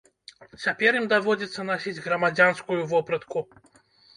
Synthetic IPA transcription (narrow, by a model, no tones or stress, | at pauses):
t͡sʲapʲɛɾjimd̪avɔd͡zʲit̪sːɐnasʲid͡zʲɣɾɐmad͡zʲanskujuvɔpɾɐt̪ku